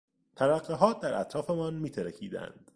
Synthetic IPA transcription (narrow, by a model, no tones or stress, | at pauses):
t̪ʰælæɢːeɦɒːt̪̚d̪æɾʔæ̰t̪ʰɾɒːfe̞mɒnmiːt̪ʰeɾecʰiːd̪æ̰nd̪̥